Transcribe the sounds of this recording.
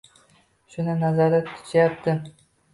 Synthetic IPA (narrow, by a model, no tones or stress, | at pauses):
ʃʊnɪnazaɾat̪ːʰʊ̥t͡ʃ̪ʰjap̚t̪ʰɪ